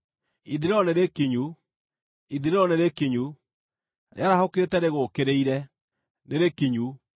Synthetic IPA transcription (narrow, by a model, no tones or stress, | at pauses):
iðiɾeɾɔneɾekeɲu | iðiɾeɾɔneɾekeɲu | ɾḛaɾahoketɛɾeɣokeɾeiɾɛ | neɾekeɲu